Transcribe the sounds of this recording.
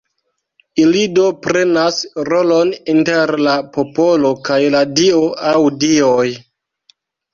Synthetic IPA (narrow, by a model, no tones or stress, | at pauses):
ilido̞pɾe̞nasɾo̞lo̞ninte̞ɾlapo̞po̞lo̞kajladioawdioj